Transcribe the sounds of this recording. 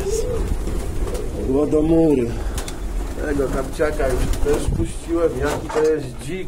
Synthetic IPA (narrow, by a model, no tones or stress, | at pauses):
wɔd̪ɔmuɾɘ | t̪ɛ̰ɡɔt̪apt͡ɕakajuʂt̪ɛʂpuɕt͡ɕiwɛmjakʲit̪ɔjɛs | d͡ʑi